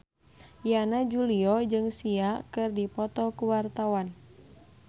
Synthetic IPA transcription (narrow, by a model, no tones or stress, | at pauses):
janad͡ʒuliɔd͡ʒɨŋsiakɨrdipɔt̪ɔkuwart̪awan